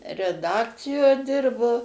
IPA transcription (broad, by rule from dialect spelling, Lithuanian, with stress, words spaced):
rʲɛˈdɑːkt͡sʲɪjoː ˈdʲɪrboː